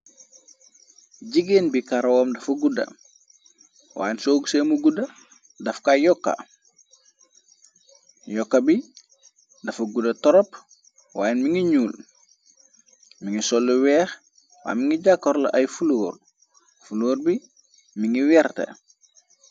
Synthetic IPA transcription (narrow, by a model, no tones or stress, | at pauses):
ɟiɡeːnbikaɾwoːmdɐfuɡudɐ̰ | wa̰ːjnsoːɡuseːmuɡudɐ | dɐfkajɔkːa̰ | jɔkːɐbi | dɐfuɡudɐtɔɾɔp | waːjenmiŋiɲuːl | miŋisɔlːuwɛːx | wa̰ːmiŋiɟakːoɾlɐ̰ʔɐjfuloːr | fuloːɾbi | miŋiwɛɾtḛ